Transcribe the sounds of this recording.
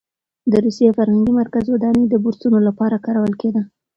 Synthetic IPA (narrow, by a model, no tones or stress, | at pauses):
d̪əɾusjefaɾhaŋɡimaɾkazwad̪ɑnəd̪əbuɾsunolapɑɾakɑɾawəlked̪ə